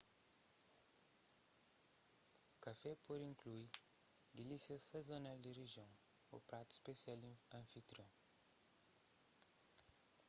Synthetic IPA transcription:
kafɛpoɾĩŋklujd̪ilisiɐsazonald̪ɪriʒɐ̃w̃ṵpaɾt̪u̥spesialĩɐ̃fit̪ɾõ

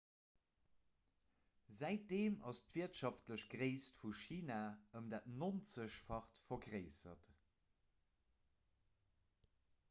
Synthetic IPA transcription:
zæɪt̚d̥eːmɑ̰stv̥iːɐtʃɑftləɕɡʁeɪstfuʃiːnaːəmdaːtnont͡səɕfɑχtfɐɡʁeɪsɐt

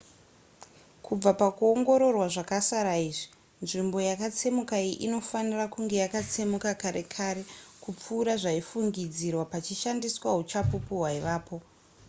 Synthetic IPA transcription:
kʰub͡vapakuoŋɡo̞ɾo̞rwaʐakasaɾaiːʐi̥ | nʐimbo̞jakat͡se̞mukaiʔino̞fanirakuŋɡe̞jakat͡se̞mukakaɾe̞̰kʰaɾe̞kup͡fuːɾaʐaifuŋɡid͡zirwapat͡ʃiʃandiswaɦut͡ʃapupuɦwaiʋaːpo̞

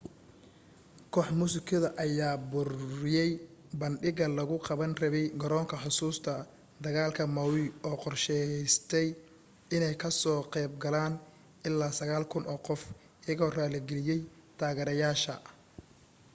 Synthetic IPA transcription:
kʰɔːħmʊsɪkʰɐðɐʔɐjaːbʊrɪjɛjbɐnɗɪɣɐlɐɣʊqɑβɐnrɐβɛjɡɐɾɔːŋkʰɐħʊsuːst̪ʰɐ | d̪ɐɣaːlkʰɐmɐwɪɔːqɔrʃɛst̪ʰɛj | ɪnɛjkʰɐsɔːqɛːbɡɐlaːn | ɪlːaːsɐɣaːlkʰʊnʔɔːqɔf | ɪjɐɣɔːraːlɛɡɛlɪjɛjt̪ʰaːɣɛɾɐjaːʃɐ

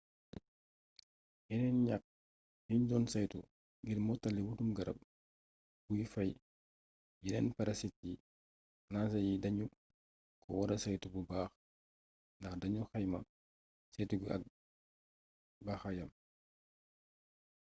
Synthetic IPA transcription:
jinɛnɲak̚ | jind͡ʒɔːnsɐjtṵ | ɡiɾmɔtɐlːiwutumɡɐɾɐ̰b̚ | b̥ujifɐj | jinɛnpɐɾɐsit̚ji | naːsɐjidɐɲu | kʰɔwɐɾɐsɐjtububaːx | ndɐxdɐɲuxɐjmɐ̰ | sɛjtuɡɐ̰k̚ | baxɐjɐm

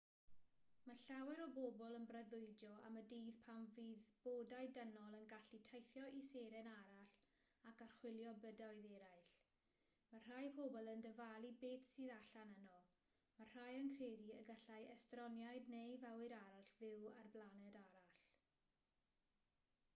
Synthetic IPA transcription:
maɬawɛɾɔbobɔlˠənbrəðʊɨdɔa̰mədiːð̥pʰamviðb̥odajdənɔlˠənɡaɬitʰajθjɔʔiseɾɛnaɾaɬ | akarχwɪlˠjɔbədaɨðɛɾajɬ | mar̥ajpʰobɔlˠəndəvalˠibeːθsiːðaɬanənɔ | mar̥ajənkʰreːdiəɡaɬajɛstrɔnjajdnejvawɨɾaɾaɬvɪwarblˠanɛdaɾaɬ

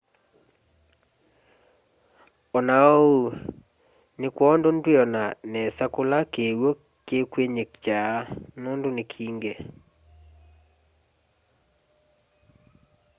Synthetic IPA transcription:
ɔnaou | nɪkwɔndondwɪɔnanɛsakʊlakewo | kekweɲekt͡ʃanondonɪkʰiŋɡe

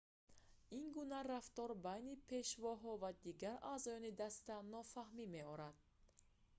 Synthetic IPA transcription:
inɡunaraft̪ɔɾbajnipʰe̞ʃvɔɦɔvad̪iɡaɾʔaːzɔjɔnid̪ast̪anɔfahmimeɔɾad̪̥̚

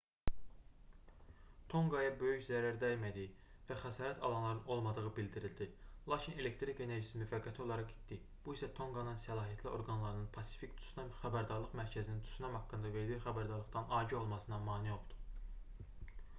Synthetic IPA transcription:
t̪ʰo̞ŋɡɑjɑbø̞jyçzæɾæɾd̪æjmæd̪ivæxæsɑːɾæt̪ʰɑ̰lˠɑnlˠɑɾɯno̞lˠmɑd̪ɯʁɯbild̪iɾild̪ilˠɑcʰine̞le̞kt̪ɾikeneɾʒisimyfæɡːæt̪ʰio̞lˠɑɾɑqi̥t̪d̪i | b̥uisæt̪ʰoŋɡɑnɯnsælˠɑːɦijæt̪ʰlio̞̰ɾɡɑnlˠɑɾɯnɯnpʰɑsi̥fict̪ʰu̥snæχæbæɾd̪ɑɾlˠɯχmæɾcʰæzinint̪ʰy̥snæmɑkːɯnd̪ɑve̞ɾd̪ixæbæɾd̪ɑɾlˠɯχd̪ɑnɑːɟio̞lˠmɑsɯnɑmɑːnijo̞lˠd̪̥u̥

